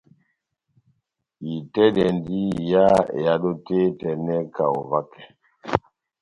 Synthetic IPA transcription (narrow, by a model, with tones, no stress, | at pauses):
i˨tɛ˦dɛ˨ndi˦˨ja˦ḛ˨ja˦ɗo˦te˦tɛ˨nɛ˦ka˨o˨va˦kɛ˨